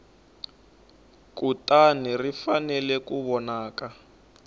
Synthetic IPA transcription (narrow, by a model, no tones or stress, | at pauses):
k̬utanirifanɛlɛkuβɔnaːka